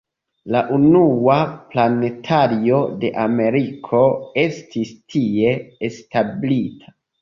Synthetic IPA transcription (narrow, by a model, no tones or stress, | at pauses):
laʔunuaplane̞tʰaɾio̞de̞ʔame̞ɾikʰo̞e̞stʰistʰie̞ːstablitʰḁ